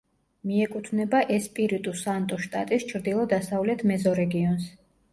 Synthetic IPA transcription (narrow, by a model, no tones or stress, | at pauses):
miɛkʼut̪ʰvnɛbaʔɛspʼiɾit̪ʼusant̪ʼɔʃt̪ʼat̪ʼist͡ʃʰɾd̪ilˠɔd̪asavlɛt̪ʰmɛzɔɾɛɡiɔns